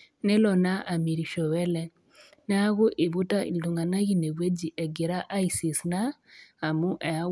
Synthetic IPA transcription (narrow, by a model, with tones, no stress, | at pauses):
nɛ˦lɔ˨na˦ʔa˨mi˨ɾi˨ʃɔ˨wɛ˦lɛ˦ | n˦a˦ɣʊ˦ʔi˨βu˦ta˦ḭ˨ndu˨ŋa˨na˦ɣi˦ne˨ɣwe˦d͡ʒi˨ʔɛ˨ɡe˨ɾa˦ʔa˦i˨si˨snaː˦˨mu˦ʔɛ˨a˦